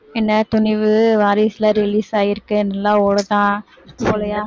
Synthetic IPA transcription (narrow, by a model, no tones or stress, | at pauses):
ɪnːɐt̪ʊɳɪʋɯʋaːɾiːsɪlɐɾɪliːsaːjɪɾɯkːɯɪnɐlːãːoːɽɯt̪ãː | polɐjaː